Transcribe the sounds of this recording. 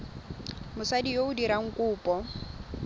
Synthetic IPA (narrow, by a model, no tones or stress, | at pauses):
mʊsadijoʊdiɾaŋ̩kʼuːpʼɔ